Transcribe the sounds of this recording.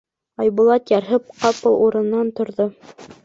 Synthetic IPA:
ɑjβulˠɑt̪jɑɾɦɘp̚qɑpɤlˠuɾɤ̆nːɑnt̪ŏɾðo

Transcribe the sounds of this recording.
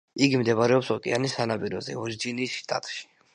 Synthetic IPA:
iɡimd̪ɛβaɾɛɔpsɔkʼɛ̰anisanapʼiɾɔzɛ̰ɔɾid͡ʒiniːsʃt̪ʼa̰t̪ʼʃi̥

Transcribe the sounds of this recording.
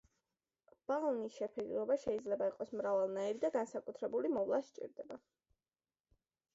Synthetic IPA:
b̥alˠnisʃɛpʰidɾɔbaʃɛid̪zlɛbaiqʼɔsmɾavalˠnaiɾid̪aɡansakʼut̪ʰɾɛbulimɔvlˠaʃt͡ʃʼḭɾd̪ɛba

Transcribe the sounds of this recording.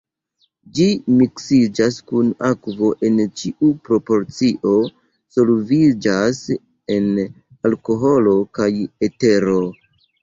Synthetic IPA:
d͡ʒimiksid͡ʒaskunakvo̞ʔe̞nt͡ʃiʔupɾo̞po̞ɾt͡siʔo̞ | solvid͡ʒas | e̞n | alko̞ɦo̞lo̞kajeteɾo̞

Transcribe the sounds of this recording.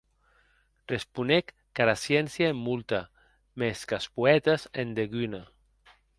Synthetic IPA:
respunekːaɾasjɛnsjaemːult̪a | meskaspuɛt̪asend̪eɣyna

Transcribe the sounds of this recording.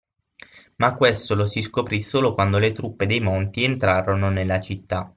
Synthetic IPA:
makːwest̪olosiskopɾisːoːlokwand̪olet̪ɾupːed̪ejmont̪ient̪ɾaːɾononelːat͡ʃit̪ːa

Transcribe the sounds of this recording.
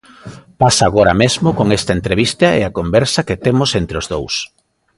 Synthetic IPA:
pasaːɣoɾɐmezmʊkoŋest̪ɐent̪ɾeβ̞ist̪ɐḛakombɛɾsɐket̪emʊsent̪ɾeʊzðows

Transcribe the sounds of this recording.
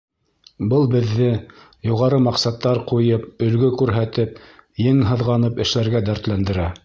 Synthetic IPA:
bɤlˠbɘ̆ðːɘ | juʁɑɾɤmɑqsɑt̪ːɑɾqujɤp̚ɵ̆lɡɵkʉɾɦæt̪ɘp̚jɘŋɦɤ̆ðʁɑnɤpɘ̆ʃlæɾɡæd̪æɾt̪lænd̪ɘ̆ɾæ

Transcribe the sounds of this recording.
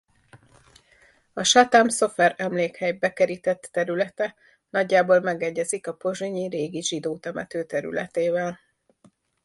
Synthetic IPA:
ɒʃɒt̪amso̞fɛɾɛmleːkhɛjbɛkɛɾit̪ɛt̪ːɛɾylɛt̪ɛ | nɒɟːaːboːlmɛɡɛɟːɛzikɒpo̞ʒiɲiɾeːɡiʒid̪oːt̪ɛmɛ̰t̪øːt̪ɛɾy̰lɛ̰t̪eːvɛl

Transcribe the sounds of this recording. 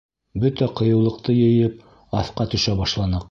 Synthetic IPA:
bɵt̪æqɤ̆jɤ̆wlˠɤ̆q̚t̪ɤjɘ̆jɘp̚ | ɑθqɑt̪ɵ̆ʃæbɑʃlˠɑnɤq

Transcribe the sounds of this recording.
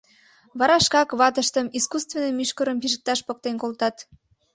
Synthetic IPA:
βɑɾɑʃkɑkβɑt̪əʃt̪əmiskust̪venəmyʃkəɾəmpiʒə̆k̚t̪ɑʃpok̚t̪enkolt̪ɑt̪

